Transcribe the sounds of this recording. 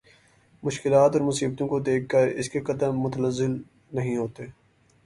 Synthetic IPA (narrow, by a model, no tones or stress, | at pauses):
mʊʃkɪlaːt̪ɔːɾmʊsiːb̚t̪õkod̪eːkʰkɐɾɪskekɐd̪əmːʊt̪ənəzːɪl | nɐɦĩɦoːt̪e